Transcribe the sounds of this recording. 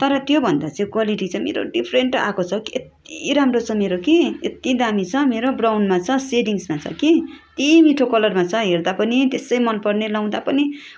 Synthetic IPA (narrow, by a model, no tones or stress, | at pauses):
t̪ʌɾʌt̪jobʱʌnd̪at͡sjõkwaliʈit͡sʰʌmḛɾo̰ɖipʰreɳʈa̰kot͡sʰʌket̪̚ḭɾamrot͡sʰʌmeɾokiet̪id̪amit͡sʰʌmeɾobrawnmat͡sʰʌseɖiŋsmat͡sʰʌ̰kit̪imiʈʰokʌlʌrmat͡sʰʌɦerd̪apʌnit̪esʌjmʌnpʌrnelʌw̃d̪apʌni